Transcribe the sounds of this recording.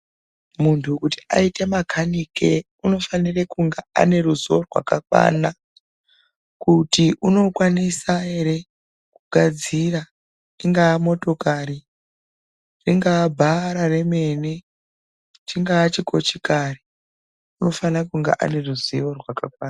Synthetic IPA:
muntʰukuti̥a̰ite̞makʰanike | uno̞fanirekuŋɡea̰ne̞ruziorwa̰kakwa̰ːna | kutiʔuno̞kwanisae̞ɾe̞ | kuɡʱad͡zira | riŋɡaːmo̞to̞kaɾi | riŋɡaːbʱaɾare̞me̞ne | t͡ʃiŋɡaːt͡ʃiko̞t͡ʃikari | uno̞fanirakuŋɡḛʔa̰ne̞ruziʋo̞rwakakwaːna

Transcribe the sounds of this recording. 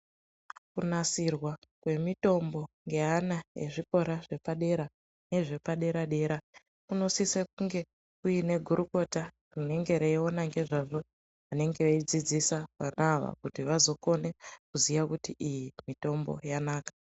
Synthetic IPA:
kunasirwakwe̞mito̞mbo̞ŋɡe̞ɦanaje̞̰ʐiko̞ɾaʐe̞paɗe̞ɾa | ne̞ʐe̞paɗe̞ɾaɗe̞ːɾa | kuno̞sisek̚uŋɡe̞ | kuine̞ɡʱuɾuko̞ta | rune̞ŋɡe̞ɾeio̞naŋɡe̞ʐaʐo̞ | ane̞ŋɡeʋaid͡zid͡zisaʋanaʋa̰kutiʋazo̞ko̞ne̞kuzijakutiʔijimito̞mbo̞̰janaːkḁ

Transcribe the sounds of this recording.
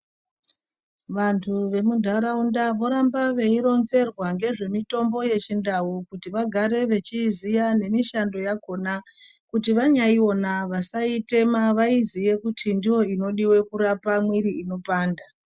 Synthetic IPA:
ʋantʰuʋe̞mundʱaɾaundaʋo̞ɾambaʋe̞iɾo̞nze̞rwaŋɡe̞ʐe̞mito̞mbo̞je̞t͡ʃindaukutiʋaɡʱaɾe̞ʋe̞t͡ʃizijane̞miʃando̞jaɡʱo̞na | kutiʋaɲaio̞naʋasaite̞maʋaizijekutʰindijo̞ino̞ɗiwe̞kuɾapamwiɾiino̞paːnda

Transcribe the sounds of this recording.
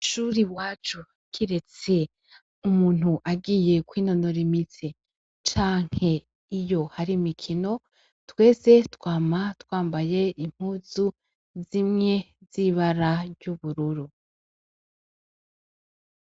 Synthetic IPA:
ʃuɾiwaːt͡ʃu | kʰiɾe̞t͡se̞ | umuːn̥huʔaɡije̞kwiːno̞noɾimit͡se | t͡ʃaːŋ̥he̞ | ijo̞haɾimikʰino̞ | twe̞ːse̞twaːmatwaːmbaje̞ʔim̥huzu | zimŋe̞ | ziβaɾaɾɟuβuɾuɾu

